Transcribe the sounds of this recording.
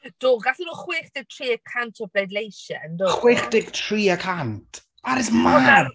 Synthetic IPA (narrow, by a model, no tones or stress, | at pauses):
d̥oːɡaɬinuːχwɪːχd̥ɪɡ̚tʰriːəkʰantʰɔbʰledlejʃɛ̰ndoχwɪːχd̥ɪɡtʰriːəkʰantʰ | aɾɪsmaar